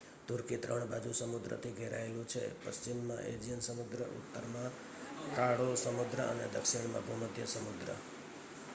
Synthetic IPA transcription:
t̪uɾkit̪ɾəɳbad͡ʒusəmud̪ɾə̰t̪ʰiɡʱeɾʔa̰elũt͡ʃʰḛpəst͡ʃimːãʔed͡ʒijənsəmud̪ɾəʔṵt̪ːəɾmã | kaɽosəmud̪ɾəʔənḛd̪əkʂiɳmã̰bʱuməd̪ʱjəsəmud̪ɾə̰

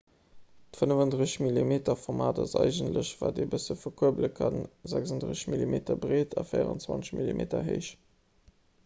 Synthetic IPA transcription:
tfənəvɑndʁəzmilimeːtɐfɔʁmaːdɑzɑɪʒəntləɕvaːdeːbəsəfɐkʰuəbləkʰɑnzæksɑndʁəɕmilimeːtʰɐbʁeːtʰɑfəɪəʁə̰nt͡swɑ̰nt͡səɕmilimʔeːtɐ̰ɦeɪʃ

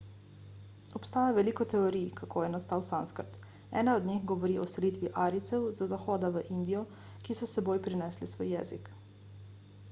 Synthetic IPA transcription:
ɔpst̪aːjaʋɛliːkɔt̪ɛoɾijkʰakʰoːjɛnast̪aːwsanskəɾt̪ | ɛ̰ːnaɔd̪nʲixɡɔʋɔɾiːʔɔsɛlit̪ʋiʔaːɾit̪sɛwzazaxɔːd̪aʋəʔind̪ijɔ | kisɔsɛboːjpɾinɛːslisʋojːɛːzik

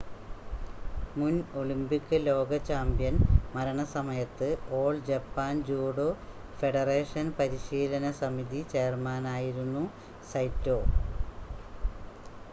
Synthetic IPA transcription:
munoɭimbikːɨlo̞ːɡɐt͡ɕːaːmbjɐnmɐɾɐɳɐsɐmɐjɐt̪ːɨo̞ːɭd͡ʑɐpːaːnd͡ʑuːɽoː | fe̞ɽɐreːʂɐnpɐɾiɕiːlɐnɐsɐmiðit͡ɕe̞rmaːnaːjiɾunːu | sɐjtːo̞ː

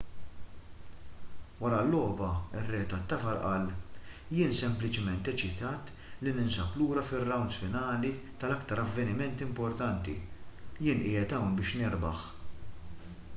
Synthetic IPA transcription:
wɐɾɐlːɔːbɐɪrːɛːt̪ɐt̪ːɐfɐɾʔɐl | jɪːnsɛmplɪt͡ʃɪmɛnt̪ɛt͡ʃɪt̪ɐːt̪ | linɪnsɐpluːɾɐfɪrːɐwnsfɪnɐːli | t̪ɐlɐkt̪ɐɾɐvːɛnɪmɛnt̪ɪmpɔɾt̪ɐnt̪ḭjɪːnʔɪːjɛt̪ɐwnbɪːʃnɪɾbɐ̰ħ

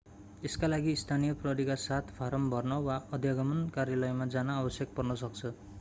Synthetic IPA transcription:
eskalaɡiːst̪ʰanijʌprʌɦɾikasat̪ʰpʰaɾʌmbʱʌrnʌwaʌd̪ʱjʌɡʌmʌnkarjalʌjmad͡zanaːbʌsjʌk̚pʌrnʌsʌk̚t͡sʰʌ

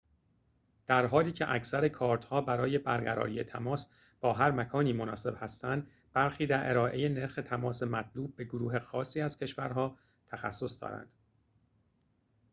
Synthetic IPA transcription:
d̪̥æɾɦɒːliːcʰeʔæcʰsæɾe̞kʰɒːɾt̪hɒːbæɾɒːje̞bæɾɡæɾɒ̰ːɾiːe̞t̪ʰæmɒːs | b̥ɒːɦæɾmækʰɒːniːmonɒːse̞b̥hæst̪ænd̪ | b̥æɾxiːd̪æɾʔe̞̰ɾɒːʔe̞jene̞ɾxe̞t̪ʰæmɒːse̞mæt̪ʰluːb̚ːe̞ɡoɾuːɦe̞xɒːsiːæz̥cʰe̞ʃvæɾɦɒː | t̪ʰæxæ̰sːo̞sd̪ɒ̰ːɾæ̰nd̪̥

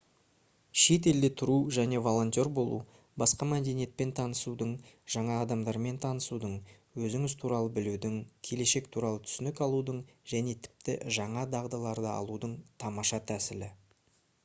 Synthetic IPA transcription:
ʃe̞t̪̬e̞ld̪e̞t̪ʰʊɾuʒæne̞vo̞lˠo̞nʲt̪ʲo̞ɾbo̞lˠṵ | bɑsqɑmæd̪e̞nije̞t̪̚pe̞nt̪ʰɑnəsud̪əɴʒ̥ɑɴɑːd̪ɑmd̪ɑɾme̞nt̪ʰɑnəsud̪əɴ | wɵzɪŋɪzt̪ʰuɾɑlˠəbɪlud̪ɪŋkʲʰe̞le̞ʃe̞kt̪ʰuɾɑlˠət̪ʰʏ̥sʏnɪkɑlˠud̪əɴʒ̥æne̞t̪ʰɪ̥p̚t̪ɪ̰ʒɑɴɑd̪ɑʁd̪ɑlˠɑɾd̪əɑ̰lˠud̪əɴt̪ʰɑmɑʃɑt̪ʰæsɪlɪ

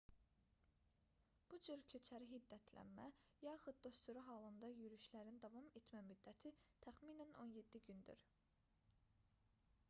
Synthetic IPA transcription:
b̥ud͡ʒyɾcʰøt͡ʃʰæɾiɦid̪ːæt̪ʰlæ̰nmæ̰jɑxud̪̚d̪o̞st̪uɾɑɦɑlˠɯnd̪ɑjyɾyʃlæɾind̪ɑvɑme̞t̪ʰmæmyd̪ːæt̪ʰit̪ʰæxmiːnænʔo̞nje̞d̪ːiɟynd̪y̰ɾ

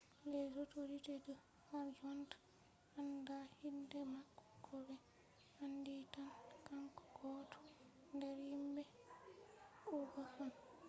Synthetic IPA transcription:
lɛsɔtoɾitɛdə | haɾd͡ʒɔnt | handahindɛmakːɔ̥kʰɔbɛ | handitankaŋkɔ̥ɡɔːtʰɔ̥ | ndɛɾjimbɛ | ʔuɡahan

